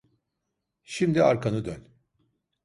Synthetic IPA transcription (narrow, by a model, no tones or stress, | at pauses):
ʃimd̪iaɾkʰanɯd̪øn